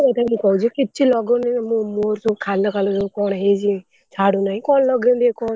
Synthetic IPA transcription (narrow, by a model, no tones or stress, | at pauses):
et̪anikɔɦut͡ʃʰikit͡ʃʰilɔɡɔnimũmoɾsubkʰalːɔkʰalɔsukɔɽ̃ɦed͡ʒi | t͡ʃʰaɽũnaɦĩkɔnlɔɡĩnd̪ekɔɳ